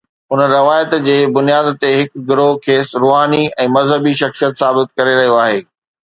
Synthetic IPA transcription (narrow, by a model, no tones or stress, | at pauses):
ʊnəɾɐʋaːjət̪d͡ʑeːbʊnijaːd̪t̪eɦɪkɡɪɾokʰeːsɾoːɦaːniɛ̃ːmɐzɦəbiʃɐxsijət̪saːbɪt̪̚kɐɾeɾɐɦijoaːɦeː